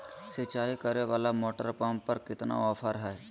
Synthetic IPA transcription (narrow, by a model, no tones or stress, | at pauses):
set͡ʃaːikəɾeʋaːlamoːʈə̰ɾpaːmpɐɾkɪt̪na̰ɔːpʰəɾɦɛː